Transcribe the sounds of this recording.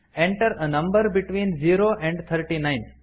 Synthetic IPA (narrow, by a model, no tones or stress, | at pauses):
ɛ̃ɳʈəɾənɐ̃mbəɾbiʈʋĩːnd͡ʒiːɾoʔɛ̃ɳɖt̪ʰəɾʈinãɪ̃n